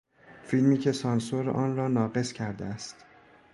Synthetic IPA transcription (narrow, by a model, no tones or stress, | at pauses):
filmiːcʰe̞sɒːnsoɾʔɒːnrɒːnɒːɢe̞scʰæɾd̪eæst̪